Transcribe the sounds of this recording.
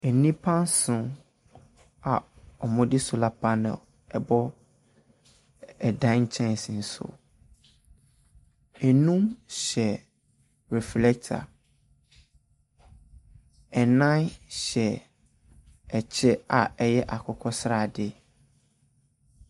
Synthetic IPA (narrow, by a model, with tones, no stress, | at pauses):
ɛ˨nĩ˦pʰã˦nsʊ̃˨ | a˨ | ɔ˨mɔ̃˦dɪ˦sʊ˨la˨pʰa˦nɛ̰˨l | ɛ˨bɔ˦ | ɛ˨dã˦ɲ̩˨t͡ɕʰɛ̃˦n˨sn̩˨sʊ̰˦˨ | ɛ˨nũ˦mɕɛ˨ | ɹɛ˨flɛ˦k̚tʰa̰˨ | ɛ˨nã˦nɕɛ˨ | ɛ˨t͡ɕʰɛ˦a˨ɛ˦jɛ˦ʔa˨kʰɔ˦kʰɔ˦sɾa˨dɪ˦